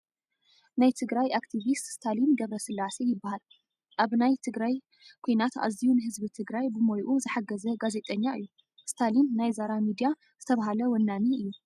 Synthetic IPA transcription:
najt̪ʰɨɡɾajakt̪ʰivist̪st̪ʰalinɡɐβɾɐsɨlːase̞jɪbːahal | ʔaβnajt̪ʰɨɡɾaj | kʰojnat̪a̰zijunɨɦɨzbit̪ʰɨɡɾajbɨmojʔuzɨħaɡɐzɐɡaze̞t̪ʼɐɲːaɨ̰jːu | st̪ʰalinːajzaɾamid̪ija | z̥ɨt̪ʰɐβaɦalɐwɐnːaniɨjːu

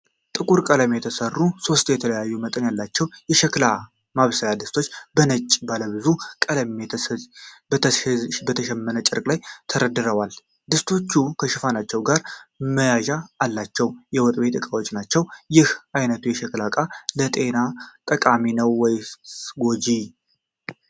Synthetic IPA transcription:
t̪ʼɨkʼuɾkʼələmjɛt̪ʰəsərːuso̞st̪jɛt̪ʰələjajːumət̪ʼɨnjalːat͡ʃːɛwjɛʃɛkla | maβsəjad̪ɨst̪ʰo̞t͡ʃːbənət͡ʃʼibaləβɨzukʼələmebbət̪ʰəʃɛmːənət͡ʃʼɪɾkʼlajt̪ʰəɾəd̪ɨɾəwal | d̪ɨst̪ʰo̞t͡ʃːukʰəʃɪfanat͡ʃːɛwɡaɾməjaʒaːlːat͡ʃːɛwjɛwɔt̪ʼbe̞t̪ʼɨkʼawo̞t͡ʃʼːnat͡ʃːɛwjɪhajnət̪ʰujɛʃɛklakʼalət̪ʼe̞nat̪ʼəkʼaminəwːɔjsɡo̞d͡ʒi

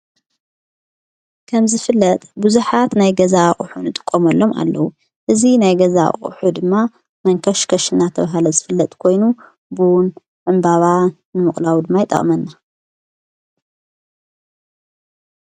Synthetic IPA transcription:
kʰɐmzɨfɨlːɐt̪ʼbuzuħat̪najɡɐzaʔʼʊħunɨt̪ʼɨ̥kʼːomɐlːo̞ma̰lːɐwu | ʔɨzinajɡɐza̰ʔʼʊ̰ħud̪ɨmːa | mɐŋkʰɐʃkʰɐʃɨnat̪ʰɐβaɦalɐzɨfɨlːɐt̪ʼkʰo̞jnu | bun | ʕɨmbaβa | nɨmɨχʼlawid̪ɨmːajɪt̪ʼːɐ̰χʼmɐnːa

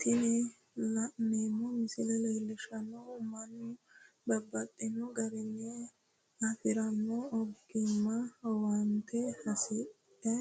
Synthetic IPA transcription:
t̪ɪnɛ | lɐʔneːmːɔmɪsɪlɛlɛːlːɪʃɐnːɔmɐnːʊbɐbːɐt̪ʼːɛnːɔɡɐɾɪnːɛ | ɐfɪɾɐnːɔɔɡɪmːɐwɐnt̪ʰɛhɐsɪt | ɛ

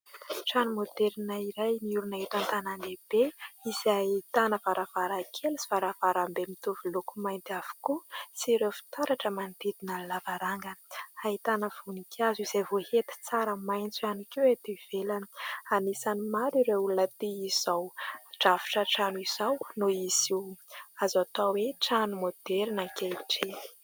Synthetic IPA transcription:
ʈ͡ʂanumod̪eɾinaiɾajniuɾunaɦet̪ant̪ananeb̥eiz̥ait̪anəvaɾʔavaɾakʰelsi̥v̥aɾavaɾambemit̪uvulukumajnt̪av̥u̥kusiɾefi̥t̪aɾaʈ͡ʂəmand̪id̪inallavaɾaŋɡəait̪anəv̥unikʰazizevohet̪i̥t͡saɾəmajnt͡suanikewet̪ev̥elani̥anisanimaɾiɾeulunət̪iiz̥awʈ͡ʂavi̥ʈ͡ʂaʈ͡ʂanuiz̥awnoiziazat̪aweʈ͡ʂanumod̪̥eɾinakeliʈ͡ʂi̥

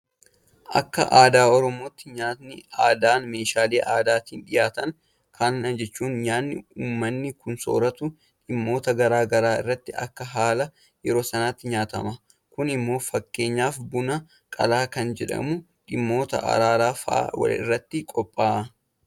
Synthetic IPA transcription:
ʔɐ̰kːɐ̰ʔaːd̪aːɔɾɔmo̞ːt̪ːɪɲaːt̪nɪaːd̪aːnme̞ːʃaːleːʔaːd̪aːt̪iːnᶑɪjaːt̪ɐŋ | kʰaːnnɐd͡ʒɛt͡ʃːuːnjaːnːɪ̰uːmːɐnːɪkʊnso̞̰ːɾɐt̪ʊ | ᶑɪmːo̞ːt̪ɐɡɐɾaːɡɐɾaːɪ̰rːɐt̪ːɪɐ̰kːɐɦaːlɐ | jɛɾo̞ːsɐnaːt̪ːɪɲaːt̪ɐmɐ | kʊnɪmːo̞ːfɐkːe̞ːɲːaːfbʊnɐ | kʼɐ̰laːkɐnd͡ʒɛᶑɐ̰mʊ | ᶑɪmːo̞ːt̪ɐ̰ʔɐ̰ɾaːɾaːfɐa̰wɐ̰lɪ̰rːɐt̪ːɪkʼɔpʼːaːʔ

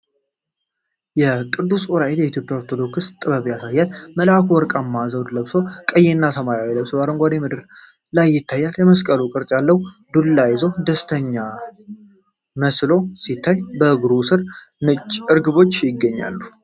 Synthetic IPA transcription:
jɛkʼɨɾd̪usoɾaejɛit̪ʰjo̞pʼjaoɾt̪ʰod̪o̞kɨst̪ʼɨβəβjasajːalməlakʰwɔɾkʼamːazəwd̪ləβso̞kʼəjːenːasəmajawiləβsɨβaɾɨŋɡʷad̪emɨd̪ɨɾ | lajːɪt̪ʰːajːaljɛməskʼəlukʼɨɾt͡ʃʼjalːəwd̪ulːajɪzod̪əst̪ʰəɲːa | məslo̞sit̪ʰːajbəɡɾusɨɾ | nɨt͡ʃʼɨɾɡɨβo̞t͡ʃːjɪɡːəɲːa̰lːu

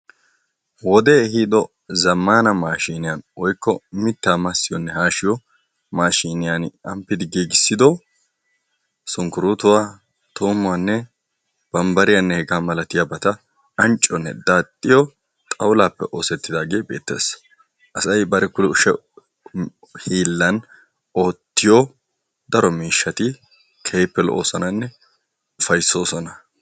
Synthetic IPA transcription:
wɔd̪ɛhiːd̪ɔ | zɐmːaːnɐmaːʃiːnɪjanwɔjkːɔmɪt̪ːaːmɐsːɪjɔnːɛhaːʃɪjɔ | maːʃiːnɪjanɐmpːɪd̪ɪɡiːɡɪsːɪd̪ɔ | sʊŋkʊɾut̪ʊwaː | t̪ʰoːmːʊanːɛ | b̥ɐmbɐɾɪjanːɛhɛɡaːmɐlɐt̪ɪjabɐt̪ɐ | ɐnt͡ʃʼːɔnːɛ̰d̪aːt̪ʼːɪjɔ | t̪ʼɐwlaːpːɛʔo̞ːsɛt̪ːɪd̪aːɡe̞ːbe̞ːt̪ːe̞̰ːs | ʔɐsɐjbɐɾɛkʊʊʃɛ | hiːlːɐn | o̞ːt̪ːɪjo | d̪ɐɾɔmiːʃːɐt̪ɪ | kʰɛjpːɛlɔ̰ʔoːsɐnɐnːɛ | ʊfɐjso̞ːsɔnɐ

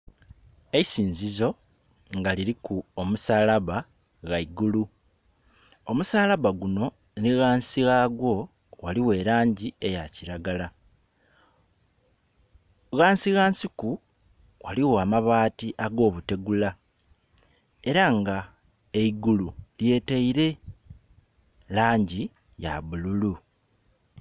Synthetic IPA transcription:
eisiːnzizo̞ | ŋɡaliɾikuomusalaβa | ɣaiɡulu | o̞musaːlaβaɡuno̞ | niɣaːnsiɣaɡwo̞ | waliwe̞ːɾaːɲɟie̞jaciɾaɡala | ɣaːnsiɣaːnsiku | wa̰liwoamaβaːtiʔaɡo̞ːβute̞ɡula | e̞ɾaŋɡa | eiɡululje̞ːteiɾe̞ | laːɲɟi | ja̰βululu

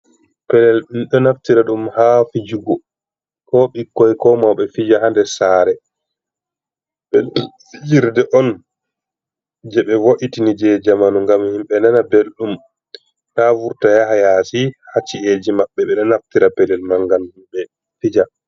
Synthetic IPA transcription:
pɛlɛlɗumɗɔnaftiɾaɗumhafid͡ʒuɡɔ | kɔɓikːɔjkɔmawɓɛfid͡ʒaɦandɛsaːɾɛ | ɓɛ | fid͡ʒiɾdɛʔɔn | d͡ʒɛɓɛwoʔitinid͡ʒɛd͡ʒamanuŋɡamhimɓɛnanabelɗum | ɗavuɾtajaɦajasihat͡ʃːied͡ʒimaɓːɛɓɛɗɔnaftiɾapɛlɛlmaŋɡanhimɓɛ | fid͡ʒa

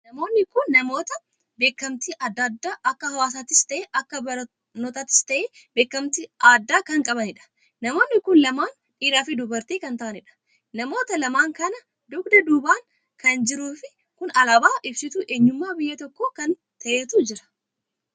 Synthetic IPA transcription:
nɐmo̞ːnːɪkʊnːɐmo̞ːt̪ɐ | be̞ːkːɐmt̪iːʔɐd̪ːad̪ːaːʔɐkːɐhɐwaːs̬aːt̪ɪst̪ɐʔeːʔɐkːɐbɐ | nɔt̪aːt̪ɪ̥st̪ɐʔeː | be̞ːkːɐmt̪iːaːd̪ːaːkɐŋkʼɐβɐnɪᶑɐ̥ | nɐmo̞ːnːɪkʊnlɐmaːn | ᶑiːɾaːfɪd̪ʊbɐɾt̪iːkɐnt̪ɐʔɐnɪᶑɐ̥ | nɐmo̞ːt̪ɐlɐmaːŋkɐnɐ | d̪ʊɡd̪ɐd̪uːbaːŋ | kɐnd͡ʒɪɾuːfɪ | kʊnɐlaːbaːʔɪbsɪt̪uːʔe̞ːɲːʊmːaːbɪjːɐt̪ɔkːoːkɐn | t̪ɐʔeːt̪uːd͡ʒɪɾɐ̥

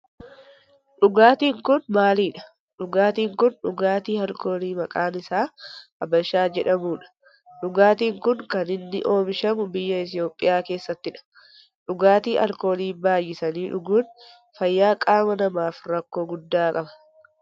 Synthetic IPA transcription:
ᶑʊɡaːt̪iːŋkʊnmaːliːᶑɐ̥ | ɗʊɡaːt̪iːŋkʊnᶑʊɡaːt̪iːhɐlko̞ːliːmɐkʼaːnɪsaːɐbɐʃːaːd͡ʒɛᶑɐmuːᶑɐ̥ | ᶑʊɡaːt̪iːŋkʊŋkɐnɪnːɪʔo̞ːmɪʃɐmʊbɪjːɐɪt̪̬ɪjo̞ːpʼːɪjaːke̞ːsːɐt̪ːɪᶑɐ̥ | ᶑʊɡaːt̪iːʔɐ̰lko̞ːliːbaːjːɪsɐniːᶑʊɡuːn | fɐjːaːkʼaːmɐnɐmaːfɾɐkːo̞ːɡʊd̪ːaːkʼɐbɐ̥

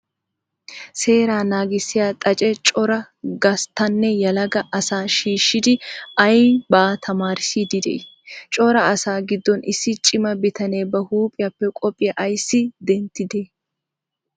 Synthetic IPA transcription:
se̞ːɾaːnaːɡɪsːɪjaːt̪ʼɐt͡ʃʼɛt͡ʃʼɔɾɐ | ɡɐst̪ːɐnːɛjɐlɐɡɐʔɐsaːʃiːʃːɪd̪ɪɐjbaːt̪ʰɐmaːɾɪsid̪ɪd̪ɛʔɪ | t͡ʃʼɔɾɐɐsaːɡɪd̪ːɔnɪsːɪt͡ʃʼɪmɐbɪt̪ɐne̞ːbɐhuːpʼɪjɐpːɛkʼɔpʼːɪjɐʔɐjsːɪd̪ɛnt̪ːɪd̪eː

